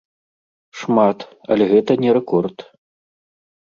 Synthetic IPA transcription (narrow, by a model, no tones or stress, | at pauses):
ʂmat̪ɐ̰lʲɛɣɛt̪ɐnʲɛɾɛkɔrt̪